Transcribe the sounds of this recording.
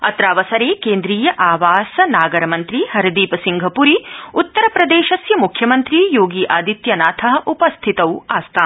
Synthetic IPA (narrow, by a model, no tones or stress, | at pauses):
ɐ̰t̪ɾaːʋɐsɐɾeːkeːnd̪ɾiːjɐʔaːʋaːsɐnaːɡɐɾɐmɐnt̪ɾihɐɾɐd̪iːpɐsiŋɡʱɐpuɾiut̪ːɐɾɐpɾɐd̪eːʃɐsjɐmukʰjɐmɐnt̪ɾiːjoːɡiːʔaːd̪it̪jɐnaːt̪ʰɐɦɐʔupɐst̪ʰit̪ɐwuaːst̪ʰaːn